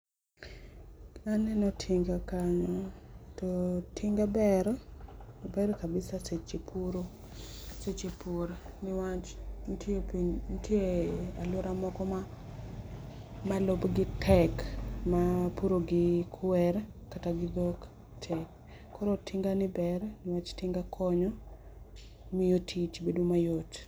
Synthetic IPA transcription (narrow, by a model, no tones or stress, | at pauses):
anɛnɔtʰiŋɡakaɲɔtotʰɪŋɡabɛɾ | bɛɾkabɪsaset͡ʃipʰuɾo | set͡ʃipuɾnɪwat͡ʃntʰjopintʰjealʊɾamɔkɔma | malobɡɪtʰɛkmapuɾoɡɪkʰwɛɾkataɡɪd̪ok | tʰɛkː | ɔɾotʰɪŋɡanɪbɛɾnɪwat͡ʃtɪŋɡakʰɔɲɔ | mɪjotʰit͡ʃbedumajot